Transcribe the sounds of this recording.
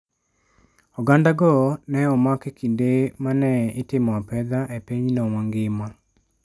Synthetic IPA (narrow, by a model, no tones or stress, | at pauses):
ɔɡandaɡɔnɛɔmakekindemanɛɪtɪmɔapɛd̪aʔepiɲnɔwaŋɡɪma